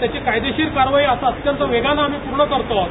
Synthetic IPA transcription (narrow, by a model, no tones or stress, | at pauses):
t̪jat͡ɕekajd̪eɕiːɾkaɾʋaiasaət̪jənt̪əʋeɡanaːmiːpuɾɳəkəɾt̪o